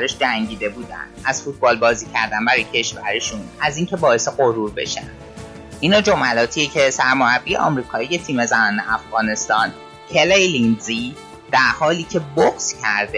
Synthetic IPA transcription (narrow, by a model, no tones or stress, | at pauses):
æɾeʃd͡ʒæŋɟiːd̪e̞buːd̪æ̰ndd̪ʔæz̥fut̪̚ʰbɒːlbɒːziːcʰæ̰ɾd̪ænbæɾɔjecʰe̞ʃvæɾeʃunæziːŋcʰe̞bɒːe̞seɣoɾuːɾbe̞̰ʃæ̰nd̪̥ | ʔinɒːd͡ʒo̞mælɒːt̪ʰiecʰesæɾmoɾæbːiːjḛʔɒ̰ːmɾiːkʰɒːije̞t̪ʰiːme̞zænɒːne̞̰ʔæfɣɒːne̞st̪ɒːn | cʰelejlinzi | d̪̥æɾhɒːliːcʰe̞boxscʰæɾd̪e